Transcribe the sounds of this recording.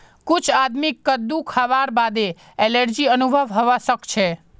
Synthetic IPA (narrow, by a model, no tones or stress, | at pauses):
kut͡ʃʰad̪mikːəd̪ukʰaʋaɾbad̪e | eləɾd͡ʒiənubʱəʋɦəʋasəkt͡ʃʰe